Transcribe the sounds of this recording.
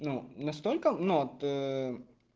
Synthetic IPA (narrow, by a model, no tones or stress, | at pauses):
nunɐst̪olʲkənuot̪ə